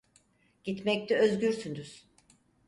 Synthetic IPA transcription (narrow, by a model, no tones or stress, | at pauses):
ɟ̥it̪mɛc̚t̪ʰɛøzɟyɾsynd̪yz̥